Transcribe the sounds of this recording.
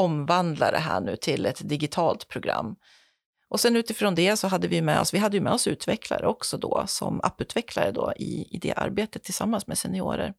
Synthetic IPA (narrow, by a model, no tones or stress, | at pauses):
ɔmvand̪lad̪ɛ̰ɦæːɳʉ̟ːt̪ʰɪlɛt̪d̪ɪɡɪt̪ʰɑːlt̪pʰɾʊɡɾa̰mː | ʔɔsɛnʉ̟ːt̪ɪfɾoːnd̪ɛsɔɦad̪ːəvɪjɵmɛɔsvɪɦad̪ːəjɵmɛːɔsʉ̟ːt̪vɛkʰla̰ɾəɔksɔd̪ɔːsɔmapːʉ̟ːt̪vɛkʰlaɾəd̪oːʔɪɪd̪ɛ̰ʔa̰ɾbeːt̪ət̪ʰːɪlsamːansmɛsɛnɪoːɾə̰ɾ